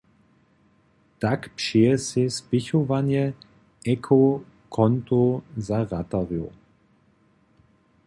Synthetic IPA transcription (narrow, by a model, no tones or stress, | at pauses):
takpʃeːəsespɪçovanjə | ɛkʰo | kʰɔntozaʁataʁjo̰